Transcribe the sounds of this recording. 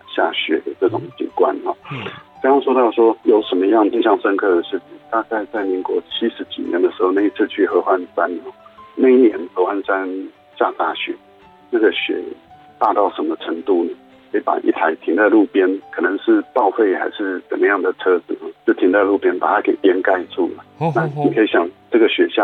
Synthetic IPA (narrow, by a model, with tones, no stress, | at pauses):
ɕja˥˩ɕɥɛ̰˧˥d̪ə˩ʈ͡ʂɤ˥˩ʈ͡ʂʊ˨˩˦ŋt͡ɕḭ˨˩kwa̰˥nxɔ˨˩ə˥jɑ˥ŋʂwɔ˥t̪ɑ˥˧ʊʂwɔ˥jo˧˥ʊʂə˧˥nmə˧jɑ˥˩ŋi˥˧ɕjɑ˥˩ŋʂə˥nkʰɤ˥˩d̪ə˩ʂɻ̩˥˩t͡ɕʰi˨˩ŋt̪a˥˧ka˥˧ɪt͡sa˥˩ɪmi˧˥ŋkwɔ˧˥t͡ɕʰi˥ʂɻ̩˧˥t͡ɕḭ˨˩njɛ̰˧˦nd̪ə˨ʂɻ̩˧˥xo˥˧na˥˧i˥t͡sʰɹ̩˥˧t͡ɕʰy˥˩xɤ˧˥xwa˧˥nsa˥nhɔ˥˩na˥˧i˥˩njɛ˧˥˦nxɤ˧˥xwa˥nsa˥n | ɕja˥˧t̪a˥˩ɕɥɛ̰˧˥ | na˥˩ɡə˩ɕɥɛ̰˨˩˦ | t̪a˥˧t̪ɑ˥˩ʊʂə˧˥mə˧ʈ͡ʂʰə˧˥ŋt̪u˥˩nə˩ | ikʰi˧˥˦pa̰˨˩ʔḭ˥˩t̪ʰa˧˥ɪt̪ʰi˧˥ŋt͡sa˥˧ɪlu˥˩pjɛ˥nkʰɤ˨˩nə˧˦ŋʂɻ̩˥˧pɑ˥˧ʊfe˥˩ɪxa̰˧˥ɪʂɻ̩˥˩t͡sə˨˩mə˦jɑ˥˩ŋd̪ə˩ʈ͡ʂʰɤ˥t͡s̩˨˩˦t͡ɕjo˥˩ʊt̪ʰi˧˥ŋt͡sa˥˧ɪlu˥˧˩pjɛ˥npa˨˩t̪ʰa˦˥ke˨˩ɪt̪jɛ˥nka˥˧ɪt͡su˥˩lə̰˩na˥˨ni˨kʰɤ˧˥i˧˥ɕjɑ˨˩ŋʈ͡ʂɤ˥˩ɡə˨ɕɥɛ˧˥ɕjɑ˥˩